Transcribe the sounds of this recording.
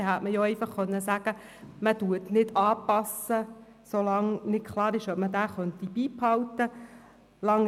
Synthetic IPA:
ɛɦætməjɔɛɪfɑχːœnːəsæɡ̥ə | məduətnɪdɑːpɑsə | solɑŋnɪtkʰlɑːɾɪʃœp̚mədæːχœnt̪ibiːphɑwtə | lɑŋ

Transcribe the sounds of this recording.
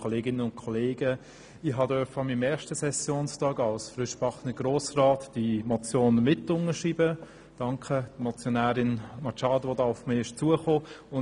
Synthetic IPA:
oleːɡɪnənʊntkʰɔleːɡə | iɦɑdœfɑmimɛːʃtəsɛsjoːnstɑːɡɑlsfɾʏʃb̥ɑχnəɡ̥ɾoːsrɑːtd̥imɔt͡sjoːnmɪtʊnəʃiːbə | d̥ɑŋkχəd̥mɔt͡sjonæːɾɪnmɑt͡ʃɑːdʋodɑːʊfmɪɪʃt͡suəχoːʊ

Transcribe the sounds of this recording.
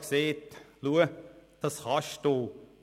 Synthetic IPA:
kseːt̪luəd̥ɑsχɑʃtoː

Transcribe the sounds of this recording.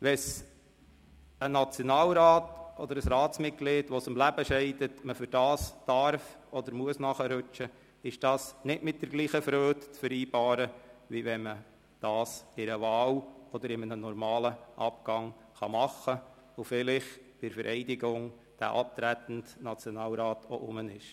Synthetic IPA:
ʋɛs | ənɑt͡sjɔnɑːlɾɑːtʔɔd̪əɾəsɾɑːtt͡smɪt̚ɡ̥lɪtʋɔsɪmlæb̥əʃɛɪdətməfʏɾd̥ɑːsd̥ɑɾfɔd̪əɾmuəsnɑχəɾʉt͡ʃə | ɪʃd̥ɑːsnɪtmɪt̚d̥əɾɡ̥liːχəfɾøːtt͡sfəɾiːbɑːɾəʋiʋɛnmə | d̥ɑːsɪɾəʋɑːwɔd̪əɾɪmənənɔɾmɑːləʔɑpɡ̥ɑŋ | χɑmɑχə | ʊfɪlɪχb̥ɪɾfəɾʔɛɪdɪɡʊŋ | d̥æ̰ʔɑp̚t̪ɾæt̪n̩tnɑt͡sjɔnɑːlɾɑːtʰoʔʊmənɪʃ

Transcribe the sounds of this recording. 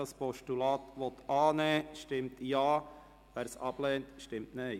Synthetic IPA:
ɑspɔʃtulɑːt̪ʋɔt̪ɑːneʃtɪmtjɑː | ʋæɾsɑb̥lɛːntʃtɪmtneɪ

